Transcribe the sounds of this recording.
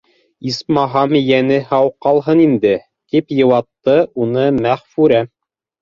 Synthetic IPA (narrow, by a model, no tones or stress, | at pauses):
ismɑɦɑmjænɘhɑwqɑlˠɦɤnind̪ɘ | k̪ipjɤ̆wɑt̪ːɤʔunɤmæχfʉɾæ